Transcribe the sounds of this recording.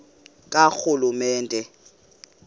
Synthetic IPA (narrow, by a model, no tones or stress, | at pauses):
kʼak͡xʰʊlʊmɛːntʼɛ